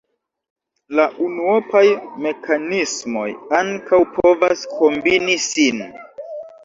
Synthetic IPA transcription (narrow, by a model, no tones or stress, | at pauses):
laʔunuopajme̞kʰanismo̞̰jaŋkawpʰo̞vaskʰo̞mbinisin